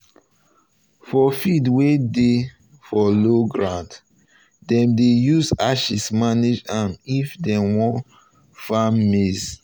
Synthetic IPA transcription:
fɔfidwede | fɔloɡɹãd | dɛ̃mdejuzaʃismaned͡ʒanifdɛ̃wɔ̃n | famːes

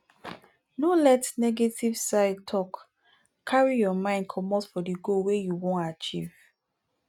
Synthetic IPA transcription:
nolɛtnɛɡetivsaɪd̚tʰɔk | kʰːaɹijɔmãɪ̃nd̚kʰɔmɔtfɔdiɡowejuwõntat͡ʃḭv̥

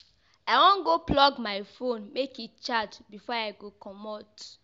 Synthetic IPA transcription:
aɪwɔ̃nɡoplɔɡmajfõnmekit̚t͡ʃatbifɔajɡokɔmɔt

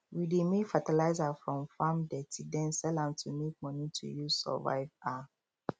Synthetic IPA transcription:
widemefatalaɪzafɹɔ̃mfãmdɛtʰidɛ̃nsɛlãmtʰumek̚mɔnitʰṵjusɔ̰va̰ɪva

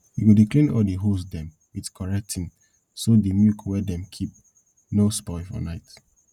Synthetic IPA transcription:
jiɡudiklĩnɔdeɦosdɛ̃m | widkʰɔɹɛk̚tʰĩn | sodimjukwɛdɛ̃mkʰip̚ | nospɔɪfɔ̰naɪt

